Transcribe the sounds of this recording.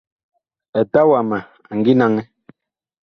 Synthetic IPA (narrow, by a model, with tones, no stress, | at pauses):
ɛ˨ta˦wa˨ma˨ | a˨ŋ̩˨ɡi˦na˦ŋɛ˦